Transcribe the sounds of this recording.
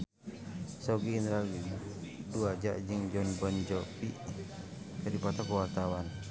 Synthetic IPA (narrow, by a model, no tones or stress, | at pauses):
sɔɡiinɾaɡiduad͡ʒa̰ʔd͡ʒɨŋd͡ʒɔnbɔnd͡ʒɔpi | kadipat̪akɔwart̪awan